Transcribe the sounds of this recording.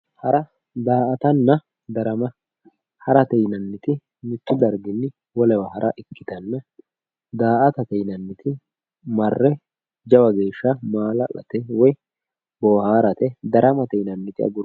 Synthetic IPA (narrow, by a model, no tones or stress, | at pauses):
hɐɾɐ | d̪aːʔɐt̪ɐnːɐ | d̪ɐɾɐmɐ | hɐɾɐt̪ɛjnɐnːɪt̪ɪ | mɪt̪ːʊd̪ɐɾɡɪnːɪ | wɔlɛwɐhɐɾʔɐʔɪkːɪ̥t̪ɐnːɐ | d̪aːʔɐt̪ɐt̪ɛjnɐnːɪt̪ɪ | mɐrːɛ | d͡ʒɐwɐɡeːʃːɐmaːlɐ̰ʔɐ̰t̪ɛwɔj | bɔːhaːɾɐt̪ɛd̪ɐɾɐmɐt̪ɛjnɐnːɪt̪ɪɐ̰ɡʊɾ